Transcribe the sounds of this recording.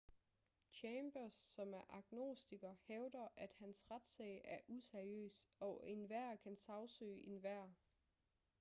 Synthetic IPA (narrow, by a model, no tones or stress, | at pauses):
t͡ɕʰemb̥ɐsːɒ̽mæɐʔɑ̈ɡ̥no̝̰sd̥iɡ̥ɐheʊd̥ɐʔæd̥hænsʁad̥sɛ̰ɪæɐʔuseɐiø̰ːsɒ̽ʔenʋæɐ̰kʰænsɑ̈ʊsø̰ːʔenʋæɐ̰